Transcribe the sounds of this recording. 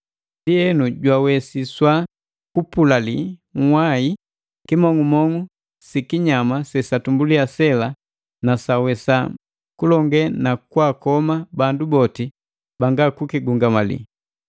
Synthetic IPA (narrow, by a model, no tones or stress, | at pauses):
ndiɛnuɟwawɛsiswa | kupulaliŋ̩wai | kimɔŋumɔŋu | sikiɲamasɛsatumbuliasɛla | nasawɛsa | kulɔŋɡɛnakwakɔmabandubɔti | baŋɡakukiɡuŋɡamalḭ